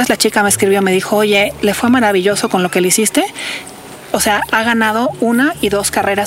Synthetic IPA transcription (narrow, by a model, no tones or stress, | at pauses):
ezlat͡ʃikameːskɾiβjome̞ðixo̞oʝe̞le̞fwe̞maɾaβiʝo̞so̞ko̞nlo̞ke̞leisist̪e̞ | ose̞aʔaɣanað̞o̞unaiðo̞skare̞ɾa